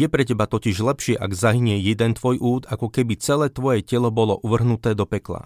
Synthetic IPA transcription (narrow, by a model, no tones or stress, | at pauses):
jɛpɾɛcɛbat̪ɔciʒlɛpʃɪɛʔaɡzaɦiɲɛjɛd̪ɛnt̪ʋɔjʔuːt̪akɔkɛbit͡sɛlɛːt̪ʋɔjɛcɛlɔbɔlɔʔuʋr̩ɦnut̪ɛːd̪ɔpɛkla̰